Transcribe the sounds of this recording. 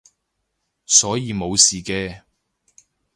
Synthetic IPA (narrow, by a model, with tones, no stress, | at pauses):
sɔː˨˥jiː˨˧mo˨˧wsiː˨˩kɛː˧